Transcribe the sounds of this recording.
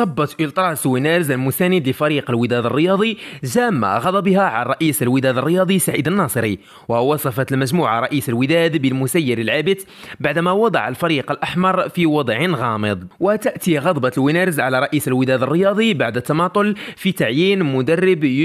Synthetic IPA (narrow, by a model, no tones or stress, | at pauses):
ɑbːɑt̪ʔəlt̪ˤɾˤɑswinæɾzəlmʊsænəd̪ləfæɾiqəlwəd̪æd̪ərˤːəjɑd̪ˤiʒæmːa̰ɣɑd̪ˤɑbihæʕarˤɑʔisəlwəd̪æd̪ərːəjɑd̪ˤisːaʕid̪ənːɑsˤəɾi | wəwɑsˤɑfɑt̪lmæʒmuʕaɾˤɑʔisəlwəd̪æd̪bəlmʊsæjːəɾəlʕabət̪ | baʕd̪mæwɑd̪ˤɑ̰ʕəlfɑɾiqəlʔaħmɑɾˤfiwɑd̪ˤʕənɣɑməd̪ˤwət̪əʔt̪iɣɑd̪ˤbɑt̪lwinæɾzʕalaɾˤɑʔisəlwəd̪æd̪ərːəjɑd̪ˤibaʕd̪ət̪ːɑmɑt̪ˤʊlfit̪aʕjinmʊd̪ɑrːəb